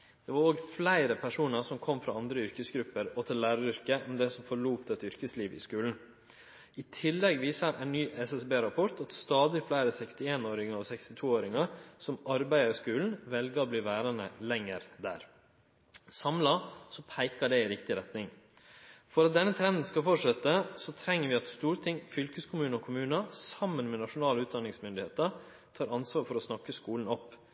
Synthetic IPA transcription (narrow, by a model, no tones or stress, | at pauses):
d̪̥ɛʋɑɾoːɡflæɪɾəpʰæʂuːnɑɾsɔmkʰɔmːfɾɑ̰ːɑnd̪ɾəʏɾkəsɡɾʉpːəɾɔt̪ʰɪllæːɾɑɾʏɾkəʔɔmd̪ɛsɔmfɔɭuːt̪ɛt̪ʏɾkəsliːʋɪ̰skʉːln̩ | ɪt̪ʰɪlːɛɡʋiːsɑɾʔæ̰ɪnnyːʔɛsɛsbeːɾɑpʰɔɾʈ̪ɑt̪st̪ɑːd̪ɪflæɪɾəsɛkst̪ɪeːnoːɾɪŋəɾɔsɛkst̪ɪt̪ʰuːoːɾɪŋɑsɔmɑɾbæɪɑɾɪskʉːln̩ʋɛlɡəɾɔbliːʋæːɾɑnəlɛŋːəɾd̪æ̰ːɾ | sɑmlɑsɔpʰæɪkəɖɛɪɾɪkt̪ɪɾɛt̪nɪŋ | fɔɾɑt̪̚d̪ɛnːət̪ʰɾɛnd̪n̩skɑlfɔʂɛt̪ːəsɔt̪ʰɾɛŋːəɾʋɪɑt̪st̪uːɾət̪ʰɪŋːfʏlkəskʰʊmʉːnɔkʰʊmʉːnəsɑmːənmɛnɑʂʊnɑːləʉːt̪d̪ɑnɪŋsmʏnd̪ɪheːt̪ə | t̪ʰɑːɾɑnsʋɑːɾfɔɾɔsnɑkːəskuːln̩ɔpː